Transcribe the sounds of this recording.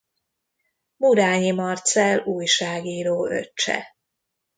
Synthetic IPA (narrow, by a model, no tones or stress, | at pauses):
mud̪aːɲimɒrt̪sɛluːjʃaːɡiːɾoːø̰t͡ʃːɛ̰